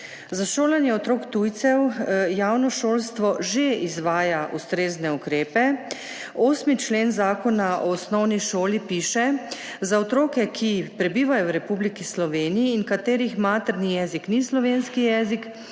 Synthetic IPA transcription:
zaʃoːlanjɛɔt̪ɾoːkt̪ujt̪sɛwjaːwnɔʃoːlst̪ʋɔʒeizʋaːjaʔust̪ɾeːznɛukɾeːpɛ | oːsmit͡ʃleːnzaːkɔnaʔɔːsnɔwniʃoːlipiːʃɛ | zaɔt̪ɾoːkɛkʰipɾɛbiːʋajɔwɾɛpublikislɔʋeːnijiːnkat̪eːɾixmaːt̪ɛɾnijɛːziknislɔʋeːnskijɛːzik

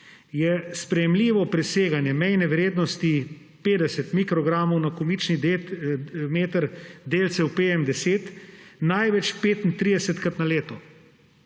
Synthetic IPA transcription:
jɛspɾɛjɛmliːʋɔpɾɛseːɡanjɛmɛjnɛʋɾeːd̪nɔst̪i | peːd̪ɛsɛt̪mikɾɔɡɾaːmɔwnakɔmit͡ʃni | meːt̪əɾd̪eːlt̪sɛwpeːjɛmd̪ɛseːt̪najʋɛt͡ʃpeːt̪int̪ɾiːd̪ɛsɛt̪kɾat̪naleːt̪ɔ

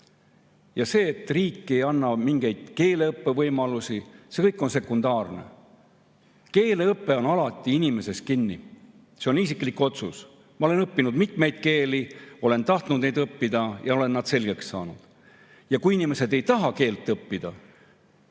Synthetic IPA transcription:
jɑse̞ːt̪ːˑriːkˑːe̞jɑnːɑmiŋɡ̥e̞jd̪̥ke̞ːle̞ɤpːe̞vɤjmɑlusise̞kɤjkːˑo̞nse̞kund̪ɑːrne̞̰ | ke̞ːleɤpːe̞o̞nɑlɑt̪ˑːiinime̞se̞s̚kinːi | se̞o̞nis̬ikˑlikːo̞t̪sus | mɑo̞le̞nɤpːinud̪̥mit̪me̞jd̪̥̚ke̞ːlio̞le̞nt̪ɑht̪nud̪̥ne̞jd̪ɤpːid̪ɑjɑo̞le̞nːɑd̪̥se̞lɡe̞ksːɑ̰ːnud̪̥ | jɑkuinime̞se̞d̪e̞jt̪ɑɦɑke̞ːlt̪ːˑɤpːid̪̥ɑ

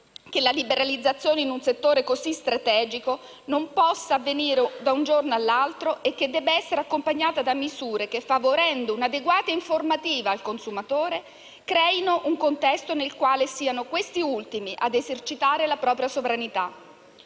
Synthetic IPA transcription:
k̟elalibeɾalid̪zːat̪sːjoːneinunset̪ːoːɾekozist̪ɾat̪ɛːd͡ʒiko | nompɔsːaːvːeniːɾed̪aund͡ʒornoalːalt̪ɾoʔekːed̪ːɛːbeɛsːeɾeakːompaɲːaːt̪ad̪amizuːɾekefːavoɾɛnd̪ounad̪eɡwaːt̪aiɱformat̪iːvaːlkonsumat̪oːɾe | kɾɛːinoʔuŋkont̪ɛst̪onelkwaːlesiːanokwest̪iult̪imiʔad̪ezert͡ʃit̪aːɾelapɾɔːpɾjasovɾanit̪a

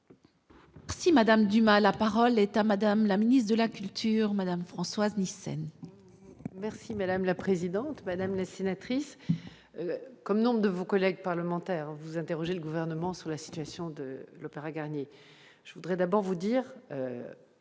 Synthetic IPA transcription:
mɛʁsimad̪amd̪ymãlapaʁɔlɛt̪amad̪amlaminit̪d̪əlakʲylt̪ʰyʁmad̪amfχɑ̃swaznisɛ̰n | mɛʁsimad̪amlapχezid̪ɑ̃t̪mad̪amlasenat̪χis | økɔmnɔ̃bʁəd̪əvokɔlɛɡ̚paʁləmɑ̃t̪ɛːʁvuzɛ̃t̪eʁɔʒeləɡuvɛʁnəmɑ̃syʁlasi̥t̪ɥasjɔ̃d̪əlopeʁaɡaʁnje | ʒ̥əvud̪ʁɛd̪abɔʁvud̪iːʁø

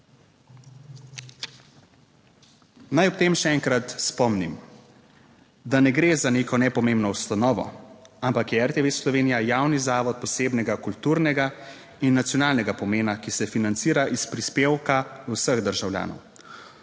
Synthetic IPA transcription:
najɔp̚t̪eːmʃɛɛŋkɾat̪spɔmnim | d̪anɛɡɾeːzaneːkɔnɛpɔmembnɔwst̪anɔːʋɔ̰ampakjɛɛɾt̪eʋeslɔʋeːnijajawnizaːʋɔt̪̚pɔseːbnɛɡakult̪uːɾnɛɡa | inːat̪sjɔnaːlnɛɡapɔmeːnakisɛfinant̪siːɾaʔispɾispeːwkausəɣd̪əɾʒawlja̰ːnɔ̰w

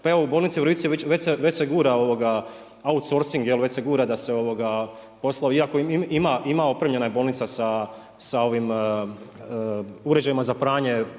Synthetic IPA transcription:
paeʋoubolnit̪siʋɾʋit̪sieʋet͡ɕʋeseʋet͡ɕseɡuːɾao̞ʋoɡa | aut̪so̞ːɾsiŋɡjelʋet͡ʃseɡuːɾad̪ase̞o̞ʋo̞ɡa | po̞slˠaiakoimiimaimao̞pɾemʎenajebo̞ːlˠnit̪sasa | sao̞ʋim | uɾe̞d͡ʒajimazapɾaːɲe̞

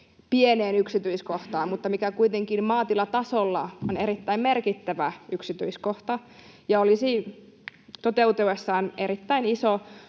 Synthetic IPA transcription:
pieneːnyksit̪yiskoht̪ɑːmmut̪ːɑmikækuit̪eŋkinmɑːt̪ilɑt̪ɑsolːɑ̰oneɾit̪ːæimmerkit̪ːæʋæyksit̪yiskoht̪ɑ | jɑolisiː | t̪ot̪eut̪eesːɑːneɾit̪ːæiniso

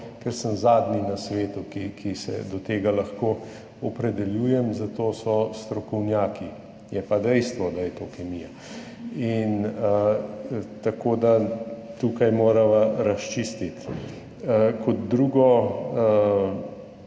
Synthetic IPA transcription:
kɛɾsəmzaːd̪ninasʋeːt̪ukikʰisɛ̰d̪ɔt̪eːɡalɐxko | ɔpɾɛd̪ɛljuːjɛmzat̪oːsɔst̪ɾɔkɔwnjaːki | jɛpad̪ɛjst̪ʋɔd̪ajɛt̪okɛmija | inə | t̪akoːd̪at̪uːkajmoːɾaʋaɾast͡ʃist̪it̪ | kɔd̪̚d̪ɾuːɡɔə

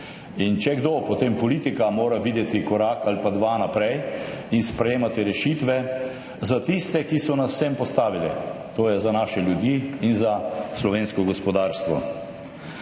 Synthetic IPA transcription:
int͡ʃɛɡd̪opɔt̪empɔlit̪ikamoːɾaʋiːd̪jɛt̪ikɔɾakalipad̪ʋanapɾɛjinspɾɛjeːmat̪iɾɛʃit̪ʋɛ | zat̪ist̪ɛkisɔnasːɛmpɔst̪aːʋilɛt̪oːjɛzanaːʃɛljud̪iinzaslɔʋeːnskɔɡɔspɔd̪aːɾst̪ʋɔ

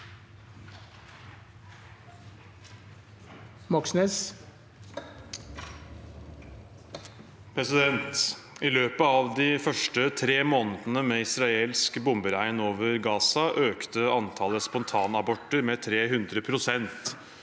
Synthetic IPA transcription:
mɔksnɛs | pʰɾɛsɪd̪ɛnt̪ | ɪløːpəɑʋd̪ɪfœʂʈət̪ʰɾeːmoːnəd̪ənəmeːɪsɾɑeːlskbʊmbəɾæɪnoːʋəɾɡɑːsɑʔøːkt̪əɑnt̪ʰɑləspɔnt̪ʰɑːnɑbɔʈːəɾmeːt̪ʰɾeːɦʉnd̪ɾəpʰɾʊsɛnt̪

